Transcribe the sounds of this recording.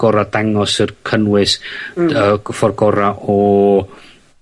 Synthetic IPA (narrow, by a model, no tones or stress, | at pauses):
ɡ̥ɔɾadaŋɔsərkʰənwɨsəfɔrɡɔɾaʔɔ